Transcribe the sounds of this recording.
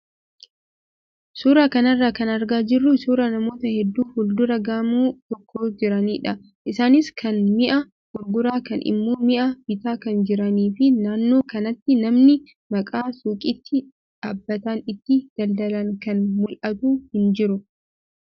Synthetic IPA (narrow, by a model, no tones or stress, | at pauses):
suːɾaːkɐnɐrːaːkɐnɐɾɡaːd͡ʒɪrːʊsuːɾanɐmo̞ːt̪ɐhɛd̪ːuːhʊld̪ʊɾɐɡaːmuːt̪ɔkʰːo̞ːd͡ʒɪɾɐniːᶑɐ | ʔɪsaːnɪskʰɐnmɪʔɐ | ɡʊɾɡʊɾaːkɐnʔɪ̰mːoːmɪʔɐb̥ɪt̪aːkɐnd͡ʒɪɾɐniːfɪnaːnːo̞ːkɐnɐt̪ːɪnɐmnɪ | mɐkʼaːsuːkʼɪt̪ːɪ | ᶑaːbːɐt̪anɪt̪ːɪd̪̥ɐld̪ɐlɐŋkɐnmʊlʔɐt̪uːhɪnd͡ʒɪɾʊ